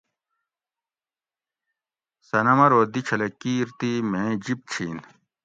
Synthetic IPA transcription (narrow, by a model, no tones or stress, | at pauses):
sɐnɐmɐɾoːd̪it͡ɕʰɐlekiːɾt̪imẽːd͡ʑip̚t͡ɕʰiːn